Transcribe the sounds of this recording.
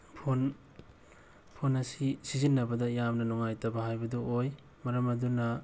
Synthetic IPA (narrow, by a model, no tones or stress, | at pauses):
pʰon | pʰonɐsisizinːɐbɐdɐjamnɐnɔŋajtɐbɐhajbɐduoj | mɐɾɐmɐdunɐ